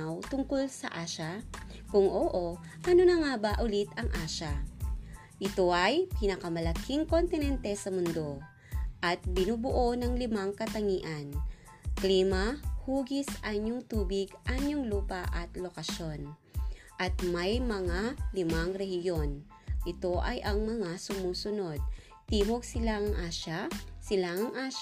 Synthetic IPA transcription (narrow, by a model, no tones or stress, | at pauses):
wt̪ʊŋkolsɐ̰ʔaːʃa | kʊŋʔoʔo | ʔɐnonɐŋabɐʔʊlit̪ɐŋʔaːʃa | ʔɪt̪o̞ʔɐjpɪnɐkɐmɐlɐkʰiŋkont̪ɪnɛnt̪ɛsɐmʊnd̪o̞ | ʔɐt̪̚bɪnuːbʊʔo̞nɐŋlɪmaŋkɐt̪ɐŋiːʔɐn | kliːmɐhuːɡisʔɐɲoŋt̪uːbɪɡʔaɲoŋluːpɐʔɐt̪lokɐʃo̞n | ʔɐt̪̚mɐjmɐŋalɪmaŋɾɛhjo̞n | ʔɪt̪o̞ʔɐjʔɐŋmɐŋasʊmuːsʊno̞d̪̚ | t̪iːmoɡ̚sɪlaŋɐŋʔaːʃasɪlaŋɐŋʔaːʃ